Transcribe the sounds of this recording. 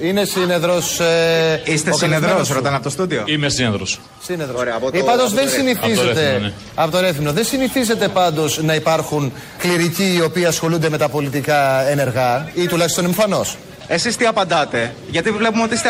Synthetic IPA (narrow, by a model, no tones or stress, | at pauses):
ine̞sine̞ðɾos | ist̪enðɾosɾot̪ɐnɐpot̪ost̪ud̪ioimesineðɾo̰s | sineðɾoɾepoipɐnd̪ozðensiniθizeɾt̪en | ɐpot̪oɾeθminoðensiniθize̞t̪e̞pɐnd̪o̞znɐipɐɾxun | kliɾiciːo̞piiɐsxo̞lund̪eme̞t̪ɐpo̞lit̪ikɐene̞ɾɣɐit̪ulɐçist̪o̞neɱfɐno̞s | esist̪iɐpɐnd̪ɐt̪e̞ʝɐt̪ivle̞pumeo̞t̪iist̪